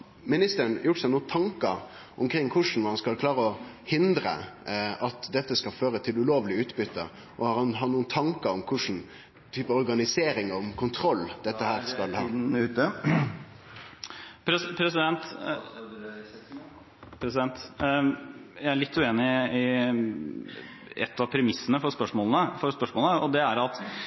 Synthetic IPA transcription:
mɪnɪst̪əɳjʊʈːsɑnuːənt̪ʰɑŋkəɾ | ʔʊmkʰɾɪŋːkʰʊʂn̩ʋɔɾhɑnskɑlkʰlɑːɾəɔ | hɪnd̪ɾə̰ʔɑt̪d̪ɛt̪ːəskɑføːɾət̪ʰɪlʉloːʋlɪʉːt̪bʏt̪ʰːə̰ | ʔɔhɑɾhɑnɦɑt̪nuːənt̪ʰɑŋkəɾɔmkʰʊʂn̩ | t̪ʰyːpəɔɾɡɑnɪseːɾɪŋɔmkʰʊnt̪ʰɾɔlːd̪̥ɛt̪ːəhæːɾskɑlhɑː | pʰɾɛpʰɾɛsɪd̪ɛnt̪ | pʰɾɛsɪd̪ɛnt̪ | jæɪæɾɭɪt̪ʰːʉeːnɪɪ | ɛ̰t̪ːɑʋpʰɾɛmɪsːənəfɔɾspœʂmoːlənəfɔɾspœʂmoːlnəɔd̪ɛæɾɑt̪

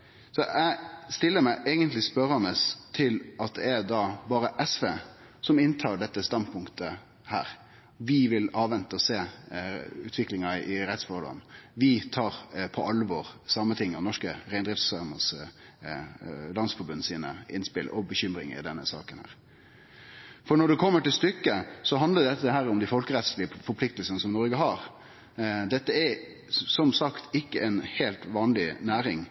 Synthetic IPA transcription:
sɔʔæst̪ɪlːəɾmæɪʔɛɡənt̪lɪspœɾɑnəst̪ʰɪlɑt̪̚d̪ɛæɾd̪ɑbɑːɾəʔɛsfeː | sɔmɪnt̪ʰɑːɖɛt̪ːəst̪ɑnd̪̚pʰʊŋkt̪ə | hæ̰ːɾ | ʋɪʋɪlɑːʋʋɛnt̪əɔseː | ʉːt̪ʰʋɪklɪŋɑʔɪɾɛt̪sfɔɾd̪ɑ̰nʋɪt̪ʰɑːɾpʰɔʔɑlːəʋoːɾsɑmːət̪ʰɪŋːɔnɔʂkəɾæɪnd̪ɾɪft̪sɑɾməs | lɑnsfɔɾbʉnəsiːnə̰ɪnspɪlʔɔbəɕʏmɾɪ̰ŋɪ̰d̪ɛnːəsɑ̰ːkənhæ̰ːɾ | fɔɳɔɖɛkʰɔmːəʈɪlst̪ʏkːəsɔɦɑnd̪ləd̪ɛt̪ːəɦæːɾɔmd̪ɪfɔlkəɾɛt̪slɪəfɔɾpʰlɪk̚t̪lsənəsɔmnɔɾɡəɦɑɾ | d̪ɛt̪ːəɛ | sɔmsɑkt̪ɪkːəʔɛnheːlt̪ʋɑːnlɪnæːɾɪŋ

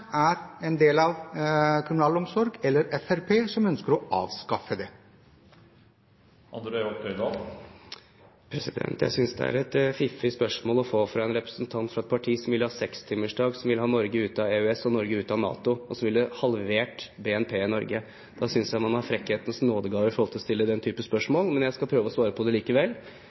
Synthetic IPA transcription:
æɾɛnd̪eːlɑʋkʰɾʊmʉnɑːlɔmsɔɾɡɛlːəɾɛfæɾpʰeːsɔmœnskəɾɔʔɑ̰ːʋskɑfəd̪ɛ | ʔɑ̰nd̪ɾɛɔpt̪ʰœʏd̪ɑ | pʰɾɛsɪd̪ɛ̰nt̪jæ̰ɪsʏnsd̪ɛ̰æ̰ɾɛt̪fɪfɪspœʂmoːlɔfoːfɾɑɛnɾɛpɾə̥snt̪ʰɑnt̪fɾɑɛt̪̚pʰɑʈʰiːsɔmʋɪlːhɑːsɛkst̪ʰɪmːəʂɖɑːɡsɔmʋɪlhɑːnɔɾɡəʉːt̪ɑeːʉɛsɔnɔɾɡəʉːt̪ɑnɑ̰ːt̪ʊɔsɔmʋɪləhɑlʋeːʈbeːɛnpʰeːɪnɔɾɡə | d̪̥ɑsʏnsjæɪt̪mɑnhɑɾfɾɛkːheːt̪ən̩snoːd̪əɡɑːʋəɾfɔɾɔlt̪ʰɪlɔst̪ɪlːəd̪ɛnt̪ʰyːpəspœʂmoːlmɛnjæɪskɑpʰɾøːʋəɔsʋɑːɾəpʰɔd̪ɛliːkəʋɛlː

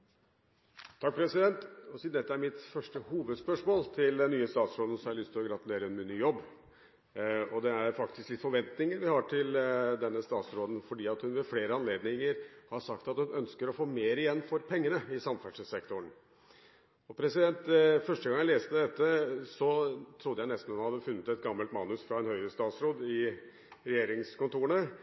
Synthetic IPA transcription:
t̪ʰɑk̚pʰɾɛsɪd̪ɛnt̪ɔsiːd̪ɛt̪ːəæɾmɪt̪fœʂʈəhuːʋəd̪spœʂmoːlt̪ʰɪld̪ɛnːyːəst̪ɑːt̪sɾoːd̪ən̩sɔmæɭʏst̪ʰɪlɔɡɾɑt̪ʉleːɾəɛnmɪnːyːjɔbː | ɔd̪ɛæɾfɑkt̪ɪsklɪt̪fɔɾʋɛnt̪nɪŋəɾʋɪhɑʈʰɪld̪ɛnːəst̪ɑːt̪sɾoːd̪n̩fɔɖiːɑt̪hʉnʋɛfleːɾəɑnleːd̪nɪŋəɾhɑʂɑkt̪ɑt̪hʉnœnskəɾɔfoːmeːɾɪjɛnːfɔɾpʰɛŋːənəɪsɑmfæʂsɛkt̪ʊɳ | ɔpʰɾɛsɪd̪ɛnt̪fœʂʈəɡɑŋːjæɪleːst̪əd̪ɛt̪ːəsɔt̪ʰɾʊd̪əjæɪnɛst̪n̩hʉnhɑd̪ːəfʉnːət̪ɛt̪ɡɑmːəlt̪mɑːnʉsfɾɑɛnhœʏɾəst̪ɑːt̪sɾoːd̪ɪ | ɾɛjeːɾɪŋskʊnt̪ʰuːɾəɳə

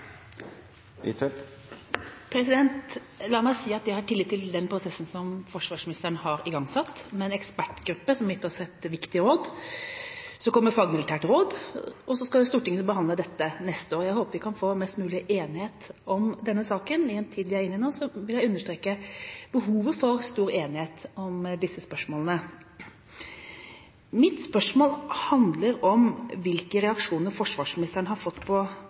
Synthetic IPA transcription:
pʰɾɛs̬ɪd̪ɛnt̪ | lɑːɾmæɪsiːɑt̪d̪ɛhɑʈɪlːɪːt̪ʰːɪld̪ɛnpʰɾʊsɛsːn̩sɔmfɔʂʋɑːʂmɪnɪst̪əɾɳəhɑɾɪɡɑŋsɑt̪ːmɛnɛkspæʈɡɾʉpːəsɔmjɪt̪ːɾɔsɛt̪ʋɪkt̪ɪɾoːd̪ | sɔkʰɔmːəɾfɑːɡmɪlɪt̪ʰæːʈɾoːd̪ɔsɔskɑlst̪uːʈɪŋənbəɦɑnd̪ləd̪ɛt̪ːənɛst̪əoːɾjæɪhoːpəɾʋɪkʰɑnfoːmɛst̪mʉːlɪʔeːnɪheːt̪ɔmd̪ɛnːəsɑːkənɪɛnt̪ʰiːd̪ʋɪæɾɪnːɪnoːsɔʋɪljæɪʉnːəʂʈtɾeːkəb̥əɦuːʋəfɔɾst̪uːɾeːnɪheːt̪ɔmd̪ɪsːəspœʂmoːlənə | mɪt̪spœʂmoːlhɑnd̪ləɾɔmʋɪlkəɾɛɑkʂuːnəɾfɔʂʋɑːʂmɪnɪst̪əɳəɦɑɾfɔt̪ːpʰɔ

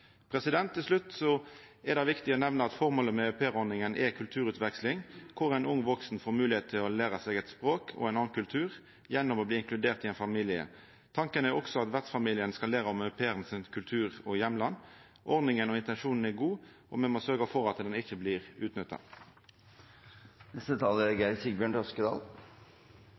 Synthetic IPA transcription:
pʰʁɛsɪd̪ɛnt̪ʰːɪlslʉt̪ːsɔɛɾd̪ɑʋɪkt̪ɪɔːnɛʋnəɑt̪fɔʁmoːləmɛæpʰeːʁɔɾnɪŋənʔɛkʰʉlt̪ʰʉːʁʉːt̪ʋɛkslɪŋkʰʊʁæɪnʊŋːʋɔksn̩foːɾmʉːlɪheːt̪t̪ʰːɪlɔlæːʁɑsɛɡɛt̪spʁoːkʰɔ̰ɛɪnɑːnkʰʉlt̪ʰʉːʁ | jɛnːɔmɔːbliːɪŋklʉd̪eːʁt̪ɪɛɪnfɑmiːlɪə̰ | t̪ʰɑŋkənæɾɔksɔɑt̪ʋæʁt̪sfɑmiːlɪənskɑlæːʁəɔmœʉpʰeːəʁnsɪnkʰʉlt̪ʰʉːɾɔjɛmlɑn | ʔɔʁnɪŋənɔɪnt̪ɛnʃuːnn̩ɛɡuːʔɔ̰mɛnmoːsøɾɡɑfɔʁɑt̪d̪ɛnɪçːəbliːʁʉːt̪nʏt̪ːɑ̰ | nɛst̪ət̪ʰɑːləɡæsiɡbjøːɳʈ̪ɔskəd̪ɑ̰ːl

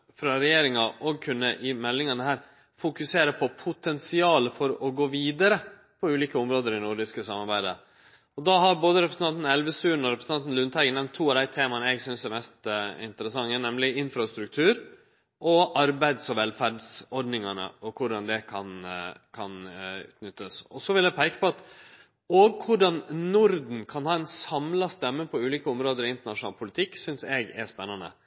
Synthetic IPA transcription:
fɾɑɾɛjeːɾɪŋɑʔɔɡ̚kʰʉnːəʔɪmɛlːɪŋɑnəhæːɾ | fʊkʉseːɾəpʰɔpʰʊt̪ʰɛnsɪɑːləfɔɾɔɡoːʋiːd̪ɑɾə | pʰɔʉːliːkəʊmɾoːd̪əɾɪnʊɖɪskəsɑmɑɾbæɪd̪ə̰ | ɔd̪ɑɦɑɾboːd̪əɾɛpɾəsn̩ɑnt̪n̩ɛlʋəsʉːnɔɾɛpɾsɑnn̩lʉnt̪ʰæɡənɛnt̪ʰːuːɑʋd̪æɪt̪ʰeːmɑnəɛɡsʏnsæɾmɛst̪ɪ̰nt̪əɾəsɑŋːənɛmlɪɪnfɾɑst̪ɾʉk̚t̪ʰʉːɾ | ʔɔʔɑɾbæɪd̪sɔʋɛlfæɖsɔɾɖnɪŋɑnə̰ɔkʰʊɖɑnd̪ɛkʰɑnkʰɑnʉ̰ːt̪ʰnʏt̪ːəsɔsɔʋɪljæɡpʰæɪkə̥pɔɑt̪ | oɡkʰʊɖɑnnʊɾd̪n̩kʰɑnhɑːɛnsɑmlɑst̪ɛmːəpʰɔʉːliːkəʊmɾoːd̪əɾɪɪnt̪əɳɑʂʊnɑːlpʰʊlɪt̪ʰɪkːsʏnsɛɡɛ̰spɛnːɑnə̰

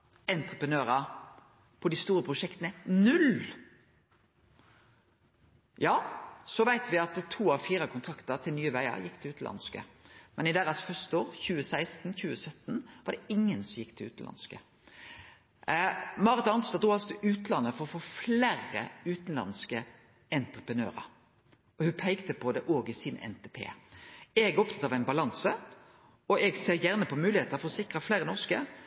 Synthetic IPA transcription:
ɛnt̪ʁəpɾənøːɾɑ | pʰɔd̪ɪst̪uːɾəpʰɾʊʂɛkt̪ənənʉl | jɑːsɔʋæɪt̪ʋɪɑt̪t̪ʰuːɑʋfiːɾəkʰʊnt̪ʰɾɑkt̪əɾt̪ʰɪlnyːəʋæɪɑ̰ɾjɪkːt̪ʰɪlʉːt̪n̩ʔɑ̰nskə̰mɛnɪd̪æɾɑsfœst̪əoːɾçʉːəsæɪst̪n̩çʉːəsœt̪ːnʋɑd̪ɛɪŋːənsɔmjɪkːt̪ʰɪlʉ̰ːt̪n̩lʔɑ̰nskə | mɑːʁət̪ɑnsɑd̪ʁuːɑlsɔt̪ʰlʉːt̪nlɑnːəfɔʁɔfoːfleːrə̰ʉːt̪n̩lɑ̰nskə | ɛnt̪ʁəpʁənøːʁə̰ | ɔhʉpʰæɪkt̪əpʰɔd̪ɛʔoːɡɪsɪnɛ̰nt̪ʰepʰḛːɛɡɔp̚t̪ʰɑt̪ɑʋæɪnbɑlɑnsə | ɔʔɛɡseːɾjæʁnəpʰɔmʉːlɪheːt̪əfɔʁɔsɪkʁəfleːʁənɔʁskə

